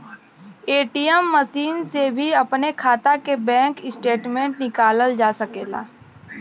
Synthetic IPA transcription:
eːʈijəmːəsiːnsebʱiɐpnekʰaːt̪akebɛ̃ːŋkɪsʈeːʈmẽːɳʈnɪkaːləld͡ʒaːsɐkeːla̰ː

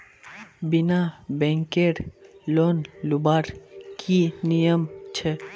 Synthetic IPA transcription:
binabɛŋkeɾlonlubaɾkʰinijəmt͡ɕʰe

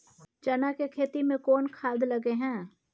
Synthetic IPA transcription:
t͡ʃɐnakekʰeːt̪imẽkɔːnkʰaːd̪ləɡeɦɛ̃ː

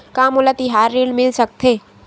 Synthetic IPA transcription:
kaːmolat̪ɪɦaːɾːeːɖmɪlsɐk̚t̪ʰeː

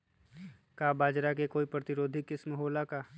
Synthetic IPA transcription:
kaːbaːd͡ʒɾakekoːipɾət̪ɪɾoːd̪ʱɪkːɪsmɦoːlakaː

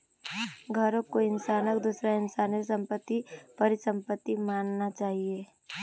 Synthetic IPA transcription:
ɡʱɐɾõkoɪnsaːnəkd̪usɾaɪnsaːnəsɐ̃mpət̪ːipɐɾɪsə̃mpət̪ːimaːnnat͡ʃaːɦieː

